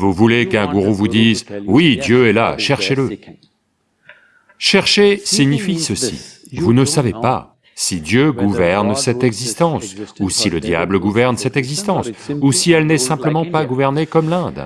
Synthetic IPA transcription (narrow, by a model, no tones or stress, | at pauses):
vuvulekɛ̃ɡuʁovud̪izwid̪jøɛla̰ʃɛʁʃelə | ʃɛʁʃesiɲifisəsḭvunəsavepa̰ | sid̪jøɡuvɛʁnsɛt̪ɛɡzist̪ɑ̃susiləd̪ja̰bləɡuvɛʁnsɛt̪ɛɡzist̪ɑ̃susiɛlnɛsɛ̃pləmɑ̃paɡuvɛʁnekɔmlɛ̃d̪